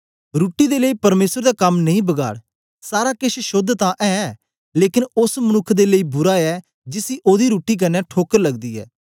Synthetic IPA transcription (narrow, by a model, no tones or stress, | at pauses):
ɾuːʈːiːd̪eːləiːpəɾmeːsəɾd̪aːkəmnəĩːbəɡa̰ːɽ | saːɾaːkɪʃʃʊd̪ʱt̪ãːʔɛːɛː | leːkɪnʊsmənʊkʰːd̪eːləiːbʊɾaːɛː | d͡ʒɪsiːʔoːd̪iːɾuːʈiːk̬ɐnːɛːʈʰoːkəɾləɡd̪iːɛ̰ː